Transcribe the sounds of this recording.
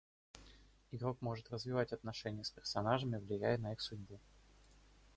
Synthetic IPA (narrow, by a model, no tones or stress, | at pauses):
ɪɡɾo̞kmo̞ʐɨt̪rəzvʲɪvatʲɐt̪nɐʂɛnʲɪjəspʲɪrsɐnaʐɨmʲɪvlʲɪjæjənɐixsʊdʲbu